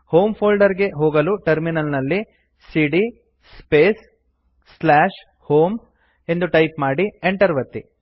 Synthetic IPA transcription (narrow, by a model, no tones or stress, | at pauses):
hoːmpʰoːlɖɐɾɡe̞ɦoːɡɐluʈɐɾminɐlnɐlːi | siɖi | speːs | slaːʂ | hoːm | e̞nd̪uʈɐjpmaːɽieɳʈɐɾʋɐt̪ːi